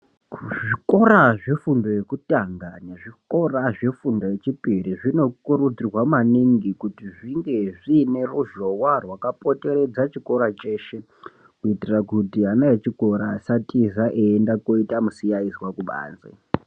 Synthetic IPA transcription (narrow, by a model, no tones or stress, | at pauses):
ʐiko̞ɾaʐe̞fundo̞je̞kutaŋɡaneʐiko̞raʐe̞fundo̞jet͡ʃipiriʐino̞kuɾud͡zirwamaniŋɡikutiʐiŋɡe̞ʐine̞ruʒowarwakapo̞te̞ɾe̞d͡zat͡ʃiko̞ɾat͡ʃe̞ːʃe̞ | kuitirakutianaet͡ʃiko̞ɾasatizaʔeendakoitamusijaizwakuɓa̰ːnd͡zḛ